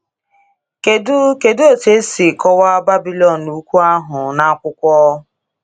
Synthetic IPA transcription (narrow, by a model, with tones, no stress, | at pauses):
ke˨dʊ˦ke˨do˦˨te˦si˨kɔ˦wa˦ba˦bi˦lɔ˨n̩ː˨u˦kʷu˦a˦ɦʊ˨na˦a˦kʷʊ˦kʷɔ˦